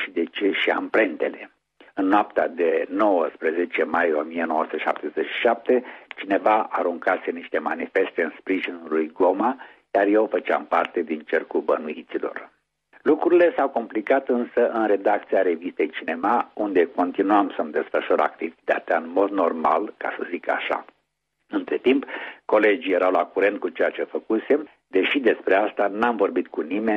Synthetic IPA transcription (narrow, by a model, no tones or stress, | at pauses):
ʃid̪e̞t͡ʃe̞ʃia̰mpɾe̞nt̪e̞le̞ | ɨnːoapt̪ad̪e̞no̞wəspɾeze̞t͡ʃe̞majo̞mijeno̞wəsu̥t̪eʃa̰p̚t̪e̞zet͡ʃʃi̥ʃap̚t̪e̞t͡ʃine̞vaaɾuŋkase̞niʃt̪e̞manife̞st̪e̞ɨnspɾiʒinulujɡo̞ma | jarjewfət͡ʃa̰mpart̪e̞d̪int͡ʃe̞rkubənuit̪silo̞̰r | lukɾuɾile̞sawko̞mplikat̪ɨnsəʔɨnɾe̞d̪ak̚t̪siaɾe̞vist̪e̞jt͡ʃine̞maund̪e̞ko̞nt̪inuamsəmd̪e̞sfəʃuɾa̰kt̪ivit̪at̪eaɨnmo̞d̪no̞rma̰lka̰səzika̰ʃa̰ | ɨnt̪ɾe̞t̪impko̞le̞d͡ʒijeɾawlakuɾe̞nt̪̚kut͡ʃe̞jat͡ʃe̞fəkuse̞m | d̪e̞ʃid̪e̞spɾe̞ast̪anamvo̞rbit̪kunime̞